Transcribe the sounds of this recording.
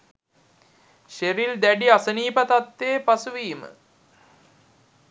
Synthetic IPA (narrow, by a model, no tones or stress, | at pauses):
ʃeɾild̪æɖiasəniːpət̪at̪ːeːpasuʋiːmə̰